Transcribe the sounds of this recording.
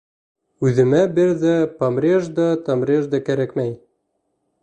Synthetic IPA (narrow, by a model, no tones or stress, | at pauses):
ʉðɘ̆mæbɘɾðæpɐmrʲeʒd̪ɑt̪ɑmɾʲeʒd̪ɑkæɾækmæj